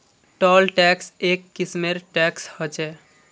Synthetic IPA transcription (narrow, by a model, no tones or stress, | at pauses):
ʈɔlʈɛksekːismeɾʈɛkshɔt͡ʃɛ